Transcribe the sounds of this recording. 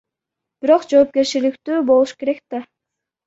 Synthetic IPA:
b̥iɾo̞qd͡ʒo̞ːp̚kʲe̞ɾt͡ʃilikt̪yːbo̞lˠuʃke̞ɾekt̪a

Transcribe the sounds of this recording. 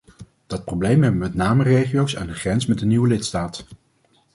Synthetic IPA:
d̥ɑt̚prowblejmɦɛbəmɛtnaːmərejχijowsa̰ːndəχrɛnsmɛtdəniwəlɪtstaːt

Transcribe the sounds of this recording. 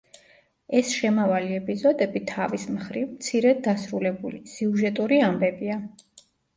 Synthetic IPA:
ɛsʃɛmavaliɛpʼizɔd̪ɛbit̪ʰavismχɾivmt̪sʰiɾɛd̪asɾulɛbulisɛuʒɛt̪ʼuɾiambɛbia

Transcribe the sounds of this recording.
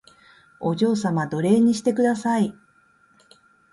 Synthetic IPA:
o̞ʑo̞ːs̬amad̪o̞ɾe̞ːɲ̟ːiɕi̥t̪e̞kɯ̟d̪asai

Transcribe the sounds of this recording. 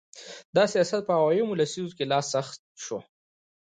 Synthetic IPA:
d̪ɑsijɑsat̪̚pəhawɑjimʊlasizokelɑsːaxt̪̚ʃo

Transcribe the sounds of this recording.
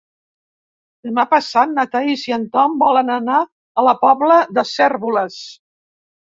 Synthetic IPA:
d̪̥əmapəsat̪̚nat̪aiziənt̪ɔmbɔlənəna | ələpɔβləðəsɛrβuləs

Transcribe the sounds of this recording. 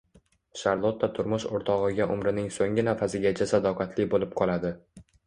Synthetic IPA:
ʃaɾlˠot̪ʰːat̪ʰʊɾmʊʃoɾt̪ʰɒʁɨɡʲaʔʊmɾɪnɪŋsoŋʲɪnafasɪɡʲat͡ʃʰasad̪ɒqʰɑt̪ʰlɪbolɪp̚qʰɒlˠad̪ɪ

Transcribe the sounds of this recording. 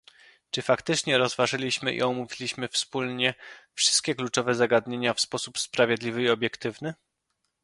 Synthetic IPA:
t͡ʂɘfakt̪ɘt͡ʂɲɛɾɔzvaʐɘlʲiɕmɘʔḭɔmuvʲilʲiɕmɘfspulɲɛfʂɘ̥st̪̚kʲɛklut͡ʂɔvɛzaɡad̪ɲeɲafspɔsupspɾavʲjed̪lʲivɘiɔbʲjɛkt̪ɘvnɘ

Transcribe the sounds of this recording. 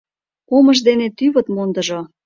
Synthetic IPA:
oməʒd̪enet̪yβə̆t̪mond̪əʒo

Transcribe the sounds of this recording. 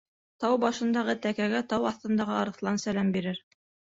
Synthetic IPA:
t̪ɑwbɑʃɤ̆nd̪ɑʁɤt̪ækæɡæt̪ɑwɑθt̪ɤ̆nd̪ɑʁɤɑɾɤ̆θlˠɑnsælæmbiɾɘɾ

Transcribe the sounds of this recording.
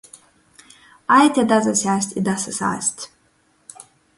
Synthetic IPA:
ajt̪ʰʲad̪azasʲaːsʲtʲid̪asasa̰ːsʲtʲ

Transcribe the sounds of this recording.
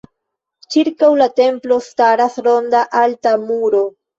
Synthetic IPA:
t͡ʃiɾkawlate̞mplo̞staɾasɾo̞ndaʔaltamuɾo̞

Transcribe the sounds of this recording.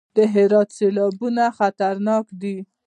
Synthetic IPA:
d̪̥əɦɪɾɑt̪selɑbunaxat̪aɾnɑkd̪i

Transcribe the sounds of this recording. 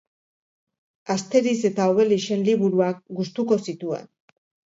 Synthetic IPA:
ast̪e̞ɾis̬e̞t̪aoβ̞e̞liʃe̞nliβuɾuak̚ɡust̪uko̞sit̪uḛn

